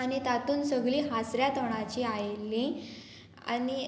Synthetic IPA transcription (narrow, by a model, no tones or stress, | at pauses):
añit̪at̪uːnsəɡliːɦasɾjat̪əɽ̃at͡ɕiːajlːĩ | a̰ni